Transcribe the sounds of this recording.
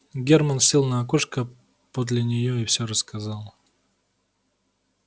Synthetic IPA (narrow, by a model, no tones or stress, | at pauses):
ɡʲermənfsʲilˠnəɐkoʂkə | pod̪lʲɪnʲɪjoɪfsʲorəskɐzɑlˠ